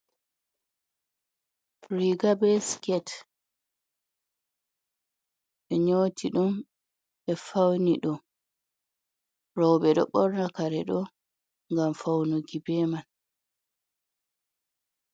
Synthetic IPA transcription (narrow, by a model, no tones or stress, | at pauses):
ɾiɡabɛskɛt | ɓɛɲoːtʰiɗum | ɓɛfawniɗɔ | ɾɔwbɛɗɔ̰ɓɔɾnakaɾɛɗɔ | ŋɡamfawnuɡibɛːman